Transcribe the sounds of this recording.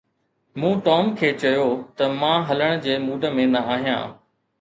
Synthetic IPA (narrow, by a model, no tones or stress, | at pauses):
mũːʈɔːmkʰeːt͡ɕɐjot̪ɐmãːɦɐləɽ̃̆d͡ʑeːmuːɖʱə̆mẽːnd̪aaːɦijã̰ː